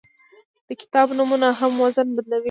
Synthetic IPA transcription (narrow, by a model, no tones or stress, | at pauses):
d̪̥əkɪ̥t̪ɑbnumunaɦamwazənbad̪lawi